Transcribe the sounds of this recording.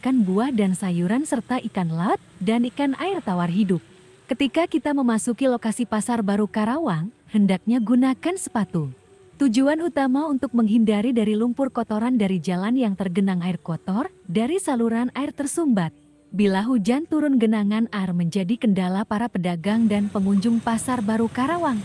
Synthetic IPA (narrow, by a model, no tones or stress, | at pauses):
kanbuahdansajuɾansərt̪aʔikanlat̪̚danikanaɪrt̪awarɦidʊp̚ | kət̪ikakit̪aməmasukilokasipasarbaɾukaɾawaŋ | həndak̚ɲaɡunakansə̥pat̪u | t̪ud͡ʒuanut̪amaunt̪ʊk̚məŋɦindaɾidaɾilumpʊrkɔt̪ɔɾandaɾid͡ʒalanjaŋt̪ərɡənaŋaɪrkɔt̪ɔr | daɾisaluɾanaɪrt̪ərsumbat̪̚ | bilaɦud͡ʒant̪uɾʊnɡənaŋanarməɲd͡ʒadikəndalapaɾapədaɡaŋdanpəŋuɲd͡ʒʊŋpasarbaɾukaɾawaŋ